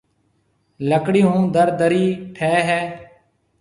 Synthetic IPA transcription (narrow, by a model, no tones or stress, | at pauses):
ləkɽiːɦũːd̪əɾd̪əɾiːʈʰɛːɦɛː